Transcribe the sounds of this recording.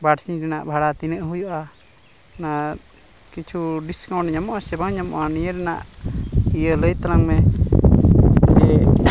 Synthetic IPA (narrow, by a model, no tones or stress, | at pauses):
baʈsiɾɛnaʔbʱaɽat̪inəʔɦujuʔa | na | kit͡ʃʰuɖiskaw̃ɳʈɲamɔʔasɛbaŋɲamɔʔanijəɾɛnaʔ | ijələjt̪alaŋmɛ | d͡ʒɛ